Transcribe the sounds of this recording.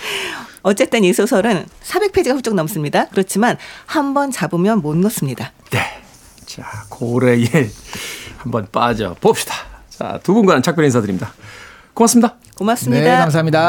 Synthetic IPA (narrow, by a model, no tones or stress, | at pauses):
ʌt͡ɕ͈e̞t͈enisʰosʰʌɾɯnsʰabe̞k̚pʰed͡ʑiɡaɸuɭ̚t͡ɕ͈oŋnʌms͈ɯmɲidakɯɾʌt͡ɕʰimanhambʌnt͡ɕabɯmjʌnmonːʌs͈ɯmɲida | ne̞ | t͡ɕakʰoɾe̞je | hambʌnp͈ad͡ʑʌ̰pop̚ɕ͈i̥d̥ḁt͡ɕa̰tubunɡwaant͡ɕʰak̚p͈ʌɭɦensʰadɯɾimɲida | komasɯmɲida | komas͈ɯmɲidkaŋs̬aɦamɲida